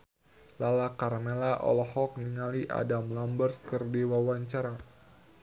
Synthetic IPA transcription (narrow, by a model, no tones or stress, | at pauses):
lalakarmelaʔɔ̰lɔhɔk̚niŋaliʔa̰damlambərt̪̚kɨrdiwawaɲt͡ʃaɾa